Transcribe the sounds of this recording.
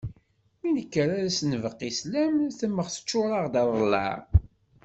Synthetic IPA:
minəkːəɾaɾæsənəvəqːislæmθəmːəχθə̥t͡ʃːʊɾˤɑʁd̪ɑðˤəlːɑ̰ʁ

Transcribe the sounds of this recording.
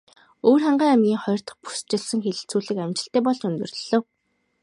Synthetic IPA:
oːrχaɴɢæːæmɡʲiːŋχɔjɞ̆r̥t̪ə̆χpu̥st͡ɕɪɮsə̆ŋxeɮɘ̆ɬt͡suːɮɘ̆kæmt͡ɕɪ̆ɬt̪eːpɔɮt͡ɕɵnt̪ɵ̆rɮɘ̆w

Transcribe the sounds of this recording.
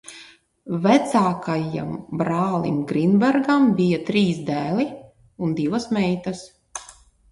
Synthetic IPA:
væt̪saːkaja̰mbɾaːlˠimɡɾinbɛɾɡambijat̪ɾiːsd̪æːli | und̪ivɐsmɛjt̪ɐs

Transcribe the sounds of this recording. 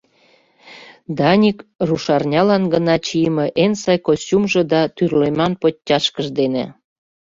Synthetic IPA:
d̪ɑnʲikruʃɑrnʲɑlɑnɡənɑt͡ɕijmeʔensɑjkosʲumʒĕd̪ɑt̪yrlemɑnpotʲːɑʃkəʒd̪enḛ

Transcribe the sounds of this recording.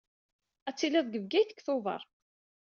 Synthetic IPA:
æt͡sːilæðɡəvɡæjθə̥kːθoðˤɑ̰ɾˤ

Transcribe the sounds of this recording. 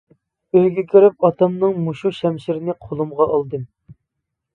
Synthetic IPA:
øjɡʲikʲyɾyp̚ɑt̪ɑmnɨŋmuʃuʃɛmʃiɾnɪqʰolˠumʁɑʔɑlˠd̪ɨm

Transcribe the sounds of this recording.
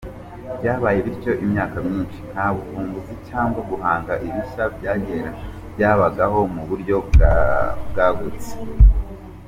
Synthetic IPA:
bɟaːβaːjeβiɾco̞ʔimɲaːkamɲiːnʃi̥n̥haβufuːmbuzicaːŋɡwaɡuɦaːŋɡaʔiβiʃabɟaːɟe̞ːɾa | bjaːβaɡaɦo̞muβuɾɟo̞ | b̚ɡaːɡuɾt͡se̥

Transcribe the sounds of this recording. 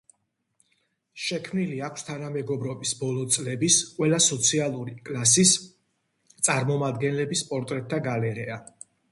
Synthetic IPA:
ʃɛkʰmniliakʰst̪ʰanamɛɡɔbɾɔbisbɔlˠɔt̪sʼlɛbisqʼwɛlasɔt̪sʰialˠuɾikʼlˠas̬is | t̪sʼaɾmɔmad̪ɡɛnlɛbispʼɔɾt̪ʼɾɛt̪ʰːaɡalɛɾɛa

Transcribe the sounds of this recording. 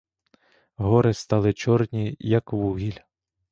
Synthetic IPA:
ɦɔɾɪst̪ɑlˠɪt͡ʃɔrnʲijɐkʋuɦʲilʲ

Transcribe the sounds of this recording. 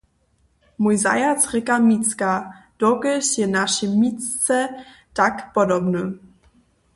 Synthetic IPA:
mujza̰jat͡sʁɪkamit͡skad̥ɔɡəʃjɛnaʃimit͡sɛ | takpɔdɔbnu

